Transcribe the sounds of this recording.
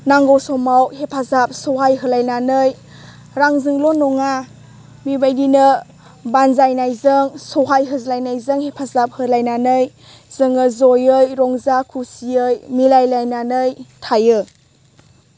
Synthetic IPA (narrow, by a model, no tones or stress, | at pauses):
naŋɡowsɔmawhepʰazap̚sɔɦajɦɯlajnanɯj | ɾaŋzɯŋlɔnɔŋa | mibajdinə | banzajnajzɯŋsɔɦajɦɯzlajnajzɯŋhepʰazap̚hɯlajnanɯj | z̥ɯŋəzɔjɯjɾɔŋzakʰusiɯjmilajlajnanɯjtʰajɯ